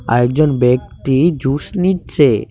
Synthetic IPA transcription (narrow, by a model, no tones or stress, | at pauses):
a̰ɛk̚d͡ʑɔnbekt̪id͡ʑusnit̚t͡ɕʰe